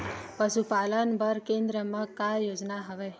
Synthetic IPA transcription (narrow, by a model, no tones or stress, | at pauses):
pəʃupaːlənbəɾkẽːnd̪ɾəmãkajoːd͡ʒnaɦəʋɛː